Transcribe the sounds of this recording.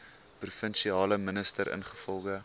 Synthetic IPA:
prufənʃiɑːləmənəstəɾə̰nχə̥fɔlˠɣə

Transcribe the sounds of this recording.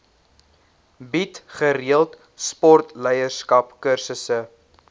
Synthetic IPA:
bitχəɾiəlˠt | spɔrtlɛjərskɐpkərsəsə

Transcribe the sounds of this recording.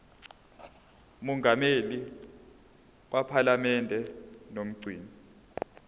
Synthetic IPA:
umɔŋɡʱameli | k̬wʔapʰalamɛndʱɛnom̩ɡ͡ǀʱiːni

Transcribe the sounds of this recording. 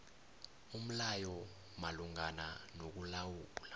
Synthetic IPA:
um̩lajɔ | maluŋananok̬ulawuːɓula

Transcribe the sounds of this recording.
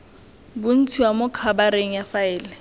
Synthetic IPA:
bʊn̩tʰiwamʊkʰabaɾeŋ̩jafaɪːlɪ

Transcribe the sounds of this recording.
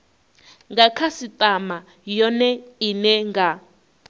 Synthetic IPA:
ŋɡakʰasitʼama | jɔnɛinɛŋɡa

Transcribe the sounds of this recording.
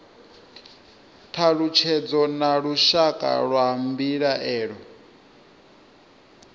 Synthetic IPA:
tʰaɺut͡ʃʰɛd͡zɔnaɺuʃakʼa̰ɺwaɦambiɺaʔɛːɺɔ

